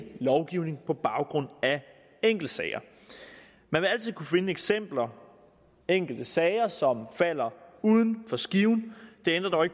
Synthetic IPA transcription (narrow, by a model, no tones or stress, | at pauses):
lɒʊɡ̥iʊne̝ŋpʰɒ̽b̥ɑ̈ʊɡ̥ʁɔ̽n̰æ | eŋ̰ɡ̥l̩d̥əsɛɪɐ | mænʋe̝æl̰t͡sʰið̰ˠkʰufe̝nəeɡ̥sem̰b̥lɐ | eŋ̰ɡ̥l̩d̥əsɛɪɐsɒ̽mfæl̰ɐuð̞ˠn̩fɒ̽sɡ̥iʊn̩d̥e̝en̰d̥ʁɐd̥ɒʊe̝ɡ̥